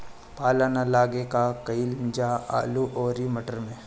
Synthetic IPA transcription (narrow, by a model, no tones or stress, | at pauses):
paːlənalaːɡekakɐilɪɲd͡ʒaa̰ːluʔɔːɾimɐʈəɾmẽː